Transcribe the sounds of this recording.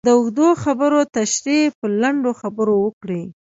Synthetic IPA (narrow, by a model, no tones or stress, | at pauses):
d̪əʊxd̪oxabəɾot̪aʃɾepəlaɳɖoxabəɾowəkɽi